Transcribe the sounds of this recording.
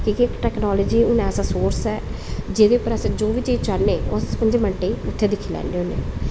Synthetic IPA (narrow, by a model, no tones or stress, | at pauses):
kiːkiɪkʈɛːknaːləːd͡ʒiːʊnɛːsãːsoːɾsɛː | d͡ʒeːd̪eʊpːəɾəsẽd͡ʒoːʋiːd͡ʒeːt͡ʃaneːoːspəɲd͡ʒeːməɳʈeːʊt̪ʰːeːd̪ɪkʰiːlɛ̰ːnɖeːʊnḛː